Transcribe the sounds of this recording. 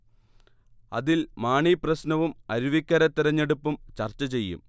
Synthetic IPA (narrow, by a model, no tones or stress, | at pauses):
ɐ̰ðilmaːɳiprɐsnɐʋumɐɾuʋikʲːɐɾɐt̪ːiɾɐɲːe̞ɽupːumt͡ɕɐrt͡ɕːɐt͡ɕe̞jːṵm